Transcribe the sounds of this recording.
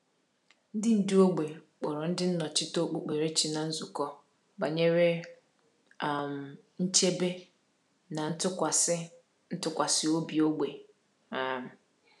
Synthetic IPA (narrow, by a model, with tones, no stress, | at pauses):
n̩˦dɪ˦n̩˨di˦o˦ɡ͡be˨k͡pʊ˨ɾʊ˨n̩˦dɪ˦n̩˦nɔ˨t͡ʃɪ˦to˦k͡pu˨k͡pe˨ɾe˦t͡ʃi˨na˨n̩˦zʊ˨kɔ˦ | ba˨ɲe˦ɾe˦˨ | m˨ | n̩˦t͡ʃe˦be˦ | na˨n̩˦tʊ˦a˨s | n̩˦tʊ˦kʷa˨sɪ˨o˦bi˨o˦ɡ͡be˨ | a˨m̩˨